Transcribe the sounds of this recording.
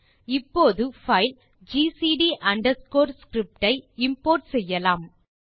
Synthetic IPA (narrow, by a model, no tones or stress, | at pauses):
ɪpːoːðɯfɐɪl | d͡ʒiːsiːɖiʔɐɳɖɐɾskoːɾskɾɪp̚ʈɐɪɪmpoːɾʈsɛjːɐlaːm